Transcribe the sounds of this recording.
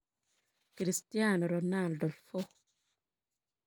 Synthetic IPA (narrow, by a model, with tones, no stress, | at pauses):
kɾi˨stijanɔ˨ɾɔna˨ldɔ˨lfɔ˦